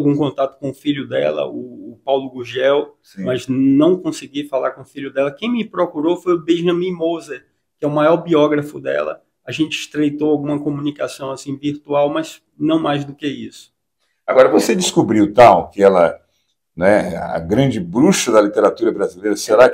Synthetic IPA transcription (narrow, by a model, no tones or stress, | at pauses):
wɡũkõt̪at̪ʊ̥kõʊfiʎʊd̪ɛ̰lɐ̰ʊpawlʊɡuʒɛwsmɐznɐ̃w̃kõsɪɡifala̰ɾkõʊfiʎʊd̪ɛlɐkẽj̃mɪpɾokuɾofojʊbẽʒɐ̃mĩmozɐ | kɪɛʊmajɔɾbiɔɡɾɐfʊd̪ɛ̰lɐ̰ | aʒẽnt͡ʃɪɪ̥ʃt̪ɾejt̪oawɡũmɐkõmũnikasɐ̃w̃asĩviɾt̪uawmɐz̥ | nɐ̃w̃majzd̪ʊkeisʊ̥ | aɡɔɾɐvosed͡ʒɪskubɾiwt̪awkɪɛlɐ | nɛɐ̰ɡɾɐ̃d͡ʒɪbɾuʃɐd̪ɐlit̪eɾat̪uɾɐbɾazilejɾɐseɾak